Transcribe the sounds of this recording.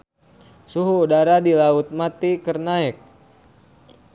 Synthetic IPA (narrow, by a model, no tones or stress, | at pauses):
suɦuːdaɾadilaut̪̚mat̪ikərnaɛk̚